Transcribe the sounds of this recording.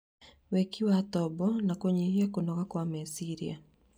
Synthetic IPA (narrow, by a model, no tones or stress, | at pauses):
wekiwat̪ɔbɔnakoɲeiekonɔɣakwamɛsiɾia̰